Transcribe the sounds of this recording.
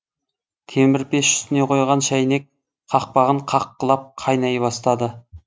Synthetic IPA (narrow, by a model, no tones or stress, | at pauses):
t̪ʰemɪɾpeʃʏ̥st̪ɪne̞qʰojʁɑnʃæjne̞k̚ | qʰɑq̚pɑʁəɴqʰɑqːəlˠɑp̚qʰɑjnɑjbɑst̪ɑd̪ə